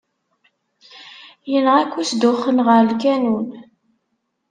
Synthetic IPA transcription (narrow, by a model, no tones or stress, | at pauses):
jənʁækʷːusd̪ʊχːənʁəɾəlkænun